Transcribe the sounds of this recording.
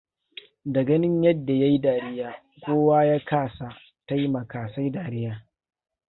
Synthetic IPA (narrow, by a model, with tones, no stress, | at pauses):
dɐ˨ɡɐ˦nɪ˦ɲjɐ˦dːa˨ja˦ji˦daː˨ɾɪ˦jaː˨ | kʷoː˦waː˦jaː˦kʰaː˦˨sa˨ | ta˦jmɐ˨kaː˨sa˦jdaː˨ɾɪ˦jaː˦